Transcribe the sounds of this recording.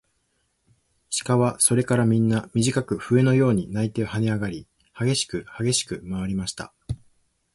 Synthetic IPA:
ɕi̥kaβaso̞ɾe̞kaɾamʲĩnːamʲiʑikakɯ̟ɸɯ̟e̞no̞jo̞ːɲ̟inait̪e̞oɦaneaɡaɾʲi | haɡe̞ɕi̥kɯ̟haɡe̞ɕi̥kɯ̟maβ̞aɾʲimaɕi̥t̪a̰

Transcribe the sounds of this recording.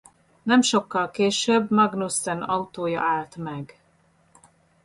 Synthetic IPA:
nɛmʃo̞kːɒlkeːʃøbmɒɡnust̪ɛnɒut̪oːjɒ̰ʔaːlt̪mɛɡ

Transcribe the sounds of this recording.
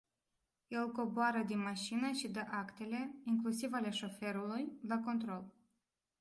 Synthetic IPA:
je̞lko̞boaɾəd̪inmaʃinəʃid̪əʔakt̪e̞le̞iŋklusivale̞ʃo̞fe̞ɾulujlako̞nt̪ɾo̞l

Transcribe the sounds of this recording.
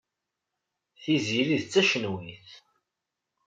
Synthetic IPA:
θiziɾiðt͡sːæʃənwiθ

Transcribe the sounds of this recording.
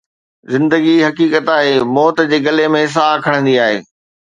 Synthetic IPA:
zɪ̃nd̪əɡiɦɐkiːkət̪aːɦeːmɔːt̪d͡ʑeːɡɐlemẽs̬aːkʰɐɽ̃ə̃nd̪iaːɦḛː

